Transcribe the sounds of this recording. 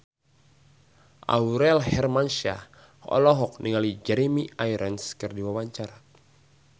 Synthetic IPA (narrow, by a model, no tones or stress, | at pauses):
ʔa̰uɾɛlhɛrmanʃa̰ | ɔ̰lɔɦɔk̚nʔiŋalid͡ʒɛɾemiʔajɾənskɨrdiwawaɲt͡ʃaɾa